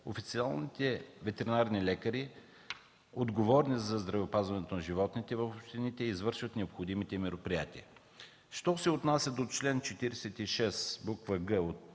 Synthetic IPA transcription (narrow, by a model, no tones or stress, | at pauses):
o̰fit̪sialˠnit̪ɛvɛt̪ɛɾinaɾnilɛkəɾi | od̪ɡovɔɾnizɐzd̪ɾɐvɛopazvɐnɛt̪onɐʒivɔt̪nit̪ɛvɐfopʃt̪init̪ɛizvɤɾʃvət̪nɛopxod̪imit̪ɛmɛɾopɾijat̪iə | ʃt̪ɔsɛot̪nasʲɐd̪ot͡ʃlɛnt͡ʃɛt̪iɾɛsɛt̪iʃɛsbukvəɡəot̪